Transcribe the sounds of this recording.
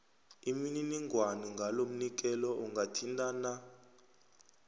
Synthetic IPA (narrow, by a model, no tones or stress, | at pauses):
imininiŋɡʱwaniŋɡʱalom̩nik̬ʼɛlɔʔuŋɡʱatʰintʼana